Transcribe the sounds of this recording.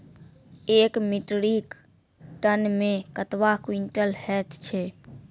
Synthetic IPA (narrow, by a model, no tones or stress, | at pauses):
eːkmɪʈɽik | ʈ̪ənmẽkət̪ʋakwiɳʈəlhɛːt̪ʰt͡ʃʰɛː